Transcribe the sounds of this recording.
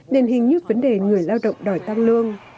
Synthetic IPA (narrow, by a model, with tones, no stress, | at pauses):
ɗe˨˩nɦï˨˩ŋ̟ɲɨ˦˥k̚və˨˦nɗe˨˩ŋɨ˨˩əjlaː˧wɗə̰˧˨wŋ͡mɗɔ˧˩jt̪a˧ŋlɨ˧əŋ